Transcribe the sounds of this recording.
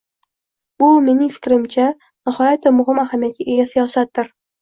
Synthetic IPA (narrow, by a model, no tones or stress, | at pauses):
bʊme̞nɪŋfɪ̥kʲɾɪmt͡ʃʰa | nɪhɒjat̪ʰːamʊɦɪmahamijat̪̚kʲaʔeɡʲasijɒsat̪ːɪɾ